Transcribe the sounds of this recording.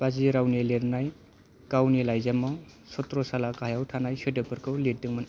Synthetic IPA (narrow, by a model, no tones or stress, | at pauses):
paziɾawnileɾnaj | kawnilajzamɔ | sɔtɾɔsalakaɦajawtʰanajsedɯpɯɾkʰɯwlet̚dɯŋmɯn